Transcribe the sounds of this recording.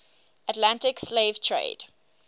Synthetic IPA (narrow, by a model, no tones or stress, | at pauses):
ətlãntɪksleɪv̥tʰɹḛɪd̥